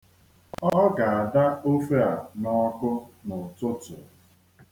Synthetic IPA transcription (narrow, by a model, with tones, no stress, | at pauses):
ɔ˦ɡa˨a˨da˦o˦fe˦a˨nɔ˦kʊ˦nʊ˨tʊ˦tʊ˨